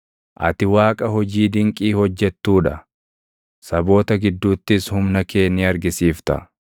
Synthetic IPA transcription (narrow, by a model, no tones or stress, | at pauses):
ʔɐ̰t̪ɪwaːkʼɐɦɔd͡ʒiːd̪ɪŋkʼiːhɔd͡ʒːɛt̪ːuːᶑɐ | sɐbo̞ːt̪ɐɡɪd̪ːuːt̪ːɪshʊmnɐke̞ːnːiːɐɾɡɪsiːft̪ɐ̰